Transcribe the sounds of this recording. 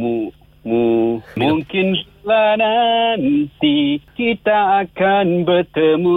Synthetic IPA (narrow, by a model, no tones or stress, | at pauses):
mu | mumuŋkɪnrəlanant̪ikit̪aːkanbət̪əmu